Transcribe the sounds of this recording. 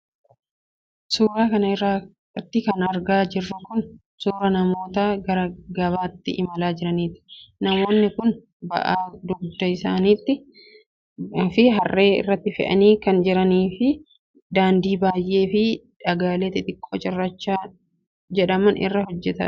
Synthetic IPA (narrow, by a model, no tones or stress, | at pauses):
suːɾaːkɐnɐɪrːaː | t̪ːɪkɐnɐɾɡaːd͡ʒɪrːʊkʊn | suːɾɐnɐmo̞ːt̪ɐɡɐɾɡɐβaːt̪ːɪʔɪmɐlaːd͡ʒɪɾɐniːt̪ɪ̥nɐmoːnːɪkʊn | bɐ̰ʔaːd̪ʊɡd̪ɐɪsaːniːt̪ːɪ | fɪɦɐrːe̞ːɪ̰rːɐt̪ːɪfɛ̰ʔɐ̰niːkɐnd͡ʒɪɾɐniːfɪ | d̪aːnd̪iːbaːjʔe̞ːfɪ | ᶑɐɡaːleːt̪ɪt̪ʼɪkʼːoːt͡ʃʼɪrːɐt͡ʃːaː | d͡ʒɛᶑɐmɐnɪ̰rːɐɦɔd͡ʒːɛt̪ɐ̰